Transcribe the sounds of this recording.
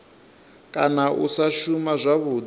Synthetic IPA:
kʼanaʔṵsaʃumazʷaβuːd͡z

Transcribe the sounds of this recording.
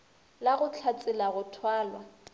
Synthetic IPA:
laɣʊt͡ɬʰat͡sʼɪlaɣʊtʰwaːlwa

